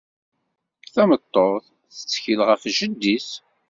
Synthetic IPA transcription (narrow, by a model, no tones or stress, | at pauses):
θæmət̪ˤːoʁθ | θə̥t͡sːçilʁəfʒəd̪ːis